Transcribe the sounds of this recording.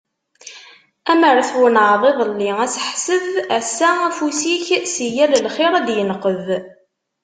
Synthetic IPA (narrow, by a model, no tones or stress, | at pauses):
æməɾˤθwənʕðˤeðˤəlːiæsəħsəðæsːææfusiçsijæləlχɪɾˤæd̪jənəqəð